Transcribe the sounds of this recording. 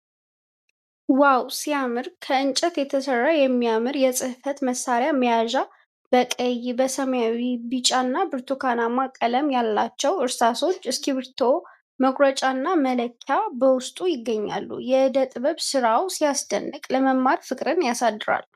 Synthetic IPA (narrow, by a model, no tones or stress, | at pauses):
wawsijamɨɾkʰəɨnt͡ʃʼɛt̪jɛt̪ʰəsərːajɛmːijamɨɾjɛsʼɨhfət̪məsːaɾjaməjaʒa | b̥əkʼəjbəsəmjawibɨt͡ʃʼanːabɨɾt̪ʰukʰanamakʼːələmjalːat͡ʃːɛwɨɾsaso̞t͡ʃːɨskʰiβɨɾt̪ʰo̞ | məɡʼɾət͡ʃʼanːamələkʰːjabəwʊst̪ʼujɪɡːəɲːa̰lːṵjɛɨd̪ət̪ʼβəβsɨɾawsijasd̪ə̰nːɨkʼləməmːaɾfɨkʼɾɨnjasad̪ːɨɾa̰l